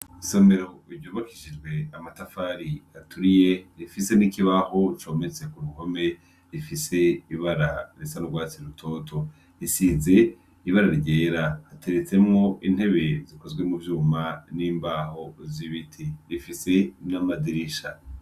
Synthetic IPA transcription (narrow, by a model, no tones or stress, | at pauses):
someɾoibɟoːβakiʃid͡ʒɡwe̞amatafaɾiatʰuɾije̞ɾifise̞nikiβaho̞t͡ʃo̞me̞t͡se̞kuɾuho̞me̞ | ɾifise̞iβaɾaɾisanuɡwaːt͡siɾutʰo̞ːtʰo̞ | isize̞ | iβaɾaɾɟe̞ːɾahateɾet͡se̞mŋo̞ʔin̥he̞βe̞zikozɡwe̞muvjuːmaniːmbaho̞ziβitʰiɾifise̞namadiɾiʃa